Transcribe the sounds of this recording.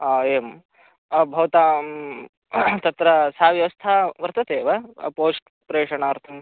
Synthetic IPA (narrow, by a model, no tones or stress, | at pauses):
eːm | bʱɐʋɐt̪aː | t̪ɐt̪ɾɐsaːʋjɐʋɐst̪ʰaʋɐɾt̪ɐt̪eːʋɐpoːsʈ | pɾeːʂɐɳaːɾt̪ʰɐm